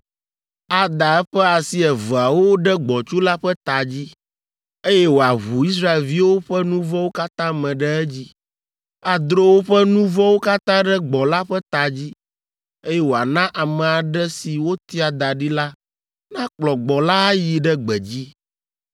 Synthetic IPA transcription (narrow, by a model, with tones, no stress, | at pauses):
a˨d̪a˨ɛ˦ɸɛ˦a˨si˦ɛ˨və˨a˨wo˦ɖɛ˦ɡ͡bɔ˨t͡ʃu˦la˦ɸɛ˦t̪a˨d͡ʑi˦ | e˦jɛ˦wo˨a˨ɦu˨i˦s̬ɾa˦e˨lvi˦wo˦ɸɛ˦nũ˦vɔ˦wo˦ka˦t̪ã˦mɛ̃˨ɖɛ˦ɛ˦d͡ʑi˦ | a˨d̪ɾo˦wo˦ɸɛ˦nũ˦vɔ˦wo˦ka˦t̪ã˦ɖɛ˦ɡ͡bɔ˨la˦ɸɛ˦t̪a˨d͡ʑi˦ | e˦jɛ˦wo˨a˨nã˦ʔa˨mɛ˨a˨ɖɛ˦si˨wo˦t̪i˦a˨d̪a˨ɖi˦la˦ | nã˦k͡plɔ˨ɡ͡bɔ˨la˦a˦ji˨ɖɛ˦ɡ͡bɛ˨d͡ʑi˦